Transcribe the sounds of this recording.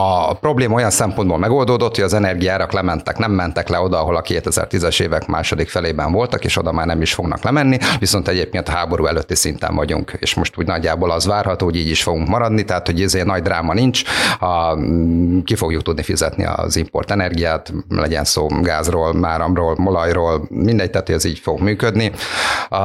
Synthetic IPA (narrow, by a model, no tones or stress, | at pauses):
ɒpɾo̞bleːmɒo̞jɒnsɛmponboːlmɛɡo̞ld̪oːd̪o̞t̪hoɟɒzɛnɛrɡijaːɾɒklɛmɛnt̪ɛknɛmːɛnt̪ɛklɛo̞d̪ɒːɦo̞lɒkeːt̪ɛzɛ̰rt̪izɛʃeːvɛkma̰ːʃo̞d̪ikfɛleːbɛɱvo̞lt̪ɒkeːʃo̞d̪ɒmaːrnɛmiʃfo̞ɡnɒ̰klɛmɛnːiʋiso̞nt̪ɛɟeːp̚keːnt̪ɒɦaːbo̞ɾuːɛløt̪ːisint̪ɛ̰ɱvɒɟṵŋkḛːʃmo̞ʃt̪uːɟnɒɟːaːboːlɒzʋaːrhɒt̪oːoɟiːɟiʃfo̞ɡuŋkmɒɾɒd̪nit̪ɛɦaːt̪ho̞ɟizeːnɒɟd̪raːmɒniɲt͡ʃ | kifo̞ɡjukt̪ud̪nifizɛ̰t̪nḭɒ̰zimpo̞̰rt̪ɛnɛrɡijaːt̪lɛ̰ɟɛ̰nsoːɡaːzroːlnaːɾɒmroːlmo̞lɒjroːlmind̪ɛɟ̚t̪aːt̪hoɟɛziːɟfoɡmyːkød̪ni